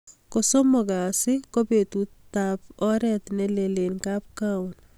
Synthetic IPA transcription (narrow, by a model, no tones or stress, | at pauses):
kosomɔkasɪkopetutap̚ɔɾɛt̪nelelenkap̚kaʊn